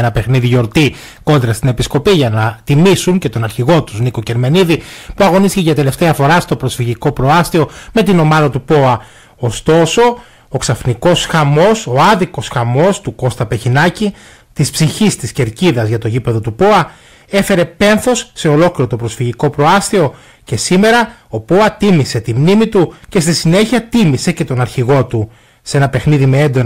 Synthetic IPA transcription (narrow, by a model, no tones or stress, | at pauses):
enɐpe̞xniðiʝo̞ɾt̪i | ko̞nd̪ɾɐst̪ine̞pisko̞piʝɐnɐt̪imisuŋce̞t̪o̞nɐɾçiɣo̞t̪uzniko̞ce̞ɾme̞niðipuɐɣo̞nist̪iceʝɐt̪e̞le̞ft̪eɐfo̞ɾɐst̪o̞pɾo̞sfiʝiko̞pɾo̞ɐst̪io̞me̞t̪ino̞mɐðɐt̪upo̞ɐ | ost̪o̞so̞ | oksɐfniko̞sxɐmo̞soɐðiko̞sxɐmo̞st̪uko̞st̪ɐpeçinɐci | t̪ispsiçist̪isce̞ɾciðɐzʝɐt̪o̞ʝipe̞ðo̞t̪upo̞ɐ | e̞fe̞ɾe̞pe̞nθo̞sːe̞o̞lo̞kliɾo̞t̪o̞pɾo̞sfiʝiko̞pɾo̞ɐst̪io̞ | ce̞sime̞ɾɐo̞po̞ɐt̪imise̞t̪imnimit̪uce̞st̪isine̞çiɐt̪imise̞ce̞t̪o̞nɐɾçiɣo̞t̪u | se̞nɐpe̞xniðimeend̪o